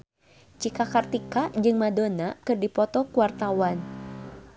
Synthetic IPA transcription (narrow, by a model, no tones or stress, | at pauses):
t͡ʃikakart̪ikad͡ʒɨŋmadonakɨrdipɔt̪ɔkuwart̪awan